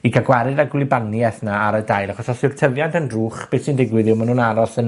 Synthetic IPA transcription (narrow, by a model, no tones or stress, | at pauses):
ikʰaɡwɛɾɨdaɡwlˠɪbaniɛθnaːɾədajlaχɔsɔsɪrtʰəvjantənruːχb̥eːsindɪɡwɨðɪwmənunaɾɔsən